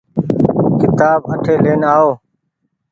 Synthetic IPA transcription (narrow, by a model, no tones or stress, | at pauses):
kɪt̪aːbəʈʰeːleːnaːoː